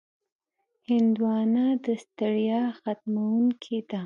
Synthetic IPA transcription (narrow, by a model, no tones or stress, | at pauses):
hɪnd̪wɑnad̪əst̪aɽjɑxat̪̚mawuŋkʰid̪a